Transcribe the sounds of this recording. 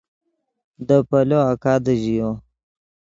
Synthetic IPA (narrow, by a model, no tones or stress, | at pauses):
d̪əpɐloakaːd̪əʑijo